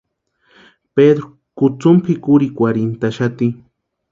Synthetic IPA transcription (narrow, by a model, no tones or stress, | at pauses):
ped̪ɾo | kʊt͡sʊmpʰɪkʊɾikʷaɾɪnt̪aʃat̪i